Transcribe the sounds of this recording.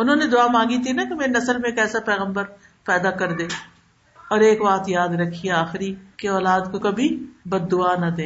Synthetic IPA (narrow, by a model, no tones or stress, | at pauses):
ʊnɦõːned̪ʊaːmãːŋɡit̪ʰinɐkemeːɾenɐsəlmẽːkɛːsapɛːɣə̃mbəɾ | pɛːd̪akɐɾd̪ẽː | ɔːɾeːkbaːt̪jaːd̪ɾɐkʰːieaːxɪɾikeɔːlaːd̪kokɐbʱibɐd̪ːʊanɐd̪ẽː